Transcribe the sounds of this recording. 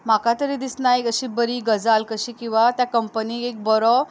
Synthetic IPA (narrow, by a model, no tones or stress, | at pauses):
m̤akat̪əɾiːd̪isnajəɕiːbəɾiːɡəd͡zalkəɕiːkĩw̃ʋat̪jakəmpəniːek̚bɔɾɔ